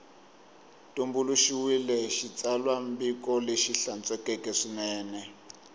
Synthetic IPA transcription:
tʼumbuluʃiwilɛʃit͡salwambikɔleʃiɬant͡sʼɛkɛkɛʂinɛːnɛ

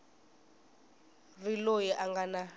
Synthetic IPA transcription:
rilojiʔaŋɡana

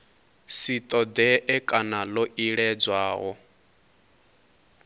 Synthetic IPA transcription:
sit̪ʼɔd̪ɛʔɛkʼanalɔʔiɺɛd͡zwaːɦɔ

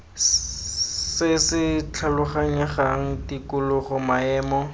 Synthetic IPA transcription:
sɪsɪt͡ɬʰalʊχaɲɛχaŋ̩tikʊlʊχʊmaɛːmɔ

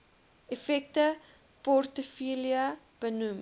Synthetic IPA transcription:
efɛk̚tə | pɔrtəfiliə | b̥ənum

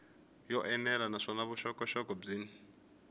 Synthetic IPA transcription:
jɔʔɛnɛlanaʂɔnaβuʃɔkʼɔʃɔkʼɔb͡ʐiːni

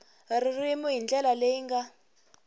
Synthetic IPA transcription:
ririmuɦind͡ɮɛlaleiŋɡa

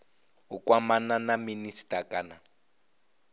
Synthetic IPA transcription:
ʊkʼwamananaministʼakʼana

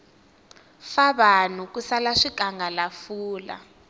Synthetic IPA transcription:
faβanukusalaʂikʼaŋɡʱalafuːla̰

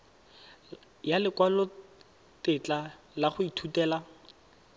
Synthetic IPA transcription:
jalɪkwalɔ | tɪt͡ɬa | laχʊitʰutɛːla

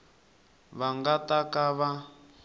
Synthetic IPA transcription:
βaŋɡatakaβa

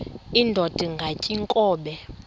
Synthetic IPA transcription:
indʱɔd̥ʱiŋɡʱacʼiŋkʼɔːɓɛ

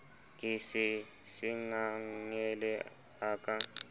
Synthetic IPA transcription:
kʼisi | siŋaŋɛlɛ | akʼa

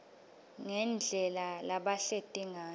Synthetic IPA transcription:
ŋɛnd͡ɮʱɛlalaɓaɬetʼiŋaː

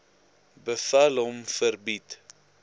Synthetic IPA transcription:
bəfɐlɦɔmfərbit

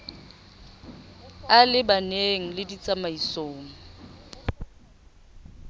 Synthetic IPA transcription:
alɪbaneŋ̩lɪdit͡sʼamaisoːŋ̩

